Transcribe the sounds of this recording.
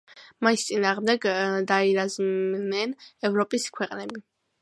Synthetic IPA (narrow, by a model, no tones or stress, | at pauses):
maist̪sʼinaːʁmd̪ɛɡd̪aiɾaznɛnɛvɾɔpʼiskʰwɛqʼnɛbi